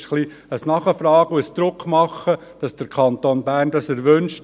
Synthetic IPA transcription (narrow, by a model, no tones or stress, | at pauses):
ʃχli | əsnɑχəfɾɑːɡuəsd̪ɾʊkχmɑχːə | d̥ɑsd̥əɾkʰɑnt̪oːnbæːɾndɑsəɾʋønʃ